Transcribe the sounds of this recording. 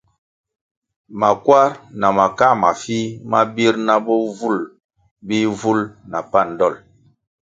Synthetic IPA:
ma˨kwa˦ɾna˨ma˨ka˦˨ma˨fi˦ma˦bi˦ɾna˦bɔ˦vu˦˨l | bi˦vu˦lna˨pa˦˨n˨dɔ˦˨l

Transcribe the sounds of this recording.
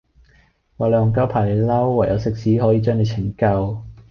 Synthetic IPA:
waː˨lœː˨˧ʊ˨˩ŋkaː˥wpʰaː˨˩le˨˧jlɐ˥wːɐ˨˩jɐ˨˧wsɪ˨k̚siː˨˥ɦɔː˨˥jiː˨˧t͡ʃœː˥ŋle˨˧jt͡sʰɪ˨˩ŋkɐ˧w

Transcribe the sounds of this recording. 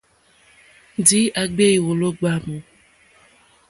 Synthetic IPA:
n˨di˨˦ʔa˨ɡ͡be˦i˨wo˨lo˦ɡ͡ba˦mu˨

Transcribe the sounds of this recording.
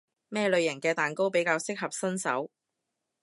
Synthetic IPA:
mɛː˥lɵ˨˧ɥjɐ˨˩ŋkɛː˧t̪aː˨˩nko˥wpe˨˥jkaː˧wsɪ˥k̚ɦɐ˨p̚sɐ˥nsɐ̰˨˥w

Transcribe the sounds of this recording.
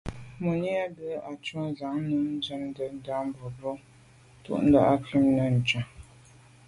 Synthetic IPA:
mu˨ni˦a˦də˦a˨t͡ʃwɔ̃˦za˨˦ŋ˦nu˨˦d͡ʒə˦n˦də˨n̩˦da˦m˦bɔ˨bɔ˦ | tṵ˦ʔn̩˦da̰˦ʔa˦ki˦mnə˨n̩˨t͡ʃa˨

